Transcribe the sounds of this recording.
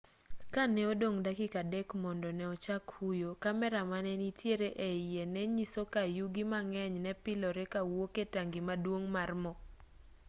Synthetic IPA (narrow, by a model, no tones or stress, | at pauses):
kanɛodoŋdakɪkadɛkmɔndɔnɛɔt͡ʃakhujokamɛɾamanɛnitjeɾeʔeijenɛɲisokajuɡimaŋɛɲnɛpɪlɔɾɛkawoketaŋɡimadwoŋmarmɔ